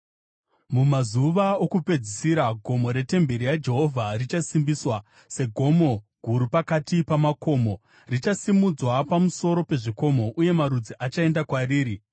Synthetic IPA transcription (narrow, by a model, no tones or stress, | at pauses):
mumazuʋaokupe̞d͡zisiɾaɡʱo̞mo̞ɾe̞te̞mbʱe̞ɾijad͡ʒe̞ɦo̞vʱarit͡ʃasimbiswa | se̞ɡʱo̞mo̞ɡʱuɾupakatipamako̞ːmo̞ | rit͡ʃasimud͡zwapamuso̞ɾo̞pe̞ʐiko̞mo̞ʔuje̞maɾud͡ziʔat͡ʃae̞ndakwariːɾi